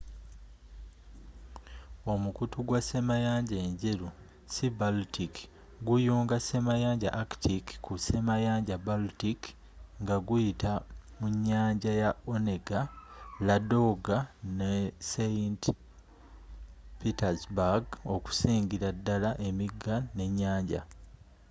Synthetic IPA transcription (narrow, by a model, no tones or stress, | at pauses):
o̞mukutuɡwasemajaːɲɟeɲɟeɾu | sibaltik | ɡujuːŋɡase̞majaːɲɟa̰ʔaktikkːuse̞majaːɲɟabaltik | ŋɡaɡujitamuɲːaːɲɟajaone̞ɡalado̞ɡaneseint | pitazbaɡo̞ku̥siːɲɡiɾadːalaʔe̞miɡane̞ɲːaːɲɟa̰